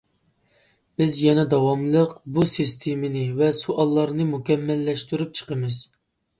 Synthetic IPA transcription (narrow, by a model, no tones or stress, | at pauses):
b̥ɪzjɛnɛd̪ɑwɑmlˠəqbusɨst̪ʰemɪnɪvɛsuʔɑlˠːɑɾnɨmukʲɛmːɛlːɛʃt̪yɾyp̚t͡ʃʰə̥qəmɨz̥